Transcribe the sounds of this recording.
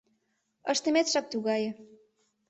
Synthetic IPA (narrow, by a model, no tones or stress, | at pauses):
əʃt̪ə̆met̪ʃɑk̚t̪uɣɑjɤ̆